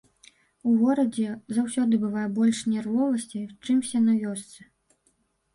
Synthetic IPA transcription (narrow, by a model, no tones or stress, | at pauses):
uɣɔɾɐd͡zʲɛzawsʲɔd̪ɨbɨvajɛbɔlʲʂnʲɛrvɔvɐsʲt͡sʲit͡ʂɨmsʲɛnɐvʲɔst̪sɨ